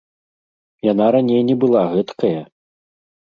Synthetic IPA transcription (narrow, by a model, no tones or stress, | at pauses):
janaɾanʲejnʲɛbɨlˠaɣɛt̪kɐjɐ